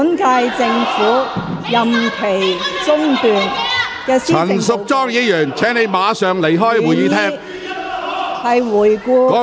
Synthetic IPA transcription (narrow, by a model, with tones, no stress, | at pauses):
nkaː˧jt͡sɪ˧ŋfuː˨˥jɐ˨mkʰe˨˩jt͡sʊ˥ŋpuː˨nkɛː˧st͡siɐ˥˨˩nsʊ˨k̚t͡sɔː˥ŋjiː˨˧jœː˨˩ŋt͡sʰɛː˨˥ŋne˨˧jmaː˨˧sœː˨˧ŋle˨˩jɦɔː˥jwuː˨˩jiː˨˧t̪ʰɛː˥ | hɐ˨jwuː˨˩jkuː˥˧kɔː˨˥